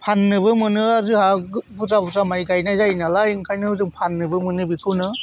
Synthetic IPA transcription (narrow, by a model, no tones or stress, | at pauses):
pʰanːɯbɯmɯnɯazɯɦaɡbʰuzabuzamajɡajnazajnalaiŋkʰajnɯhɯzɯŋpʰanːɯbɯmɯnɯbikʰɯnɯ